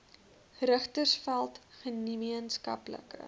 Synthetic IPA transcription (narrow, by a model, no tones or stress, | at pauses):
rəχtərsfælˠtχənimiənskɐ̰plə̰kə̰